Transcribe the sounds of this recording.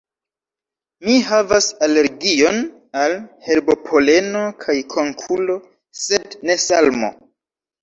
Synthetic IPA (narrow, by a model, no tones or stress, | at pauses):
miɦavasale̞ɾɡio̞n | alhe̞ɾbo̞pʰo̞le̞no̞kʰajkʰo̞ŋkʰulo̞ | se̞dne̞salmo̰